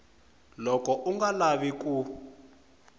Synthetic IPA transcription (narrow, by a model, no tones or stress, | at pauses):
lɔkɔʔuŋɡalaβiku